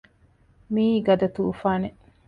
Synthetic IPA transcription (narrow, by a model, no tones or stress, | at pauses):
miːɡɐd̪ɐt̪uːfaːne